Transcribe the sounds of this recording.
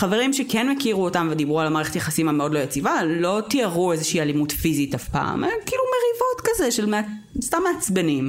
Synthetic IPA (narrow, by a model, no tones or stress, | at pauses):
χaveʁimʃekenmekiʁuotamvedibʁualamaːʁeχetjaχasimameo̞dlo̞jet͡sivalo̞tiaʁuezeʃiːalimutfizitafpa̰ːmenkiːlumeʁivo̞tkazeʃelmea | stamːeat͡sbenim